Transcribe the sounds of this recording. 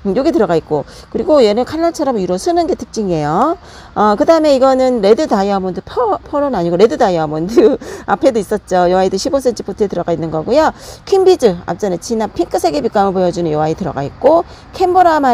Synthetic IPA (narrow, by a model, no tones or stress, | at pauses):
ɯjoɡetɯɾʌɡait̚k͈o | kɯɾiɡojenekʰanːaɭt͡ɕʰaɾamiɾʌsʰɯnɯnɡe̞tʰɯk̚t͡ɕ͈iŋe̞jo | ʌkɯdaɯme̞iɡʌnɯnɾe̞dɯdaiɦamʌndɯpʰpʰʌɾonaɲiɡoɾe̞dɯdaiɦamwʌndɯa̰pʰe̞dois͈ʌt̚t͡ɕ͈ojʌwaidɯɕʰibos̬͈ʰe̞nt͡ɕʰɯpotʰoetɯɾʌɡainːɯnɡʌɡujokʰimbid͡ʑɯa̰t͡ɕ͈anet͡ɕʰinapʰiŋk͈ʰɯsʰe̞ɡepik͈amɯpojʌd͡ʑunɯnjʌwaitɯɾʌ̰ɡa̰it̚k͈o | kʰemboɾama